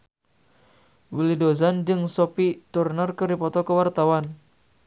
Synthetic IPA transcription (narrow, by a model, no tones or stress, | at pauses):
wilidozand͡ʒɨŋsɔpit̪urnarkəɾipɔt̪ɔkəwart̪awan